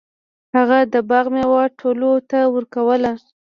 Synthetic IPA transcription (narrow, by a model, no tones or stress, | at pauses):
haɣad̪əbaɣmewɑʈʰolot̪awəɾkawəla